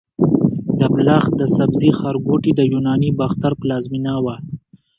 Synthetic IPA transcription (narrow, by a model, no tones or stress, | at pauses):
d̪əblaxd̪əsabzixaɾɡoʈid̪əjunɑːnibaxt̪aɾplaːzminaːwa